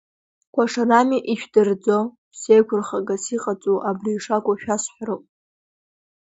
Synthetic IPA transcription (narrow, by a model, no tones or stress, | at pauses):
kʷʰaʂaramiʔiʃᶣdɨrd͡zo | sejkʷʰʊrχaɡasiqʼat͡sʼuʔabriːʂakʷʼaʃᶣasħʷaɾɨwʼ